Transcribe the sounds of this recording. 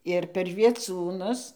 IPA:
ɪr pʲɛr ʋʲiɛˈt͡suːnʊs

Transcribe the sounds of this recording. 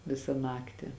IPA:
ˈʋʲɪsɐ ˈnɑːktʲɪ

